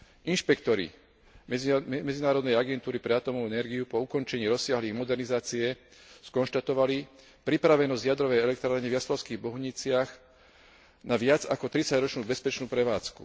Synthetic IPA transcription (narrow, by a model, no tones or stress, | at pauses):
inʃpɛkt̪ɔɾḭ | mɛd͡zinaːɾɔd̪nɛjaɡɛnt̪uːɾipɾɛat̪ɔmɔɛnɛɾɡiupɔukɔnt͡ʃɛɲiːɾɔsɪaɦliːɣmɔd̪ɛɾnizaːt͡siɛ | skɔnʃt̪at̪ɔʋali | pɾipɾaʋɛnɔzɟjad̪ɾɔʋɛjɛlɛk̚t̪ɾaːɾɲɛvjaslɔʊskiːɣbɔɦʊɲit͡sɪaɣ | naʋɪad͡zakɔt̪ɾit͡saɟɾɔt͡ʃnuːbɛspɛt͡ʃnuːpɾɛʋaːt͡skṵ